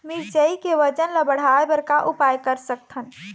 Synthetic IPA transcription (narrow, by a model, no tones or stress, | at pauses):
miɾt͡ʃəikeʋət͡ʃənləbəɽ̤aebəɾkaʔupajkəɾsək̚t̪ʰən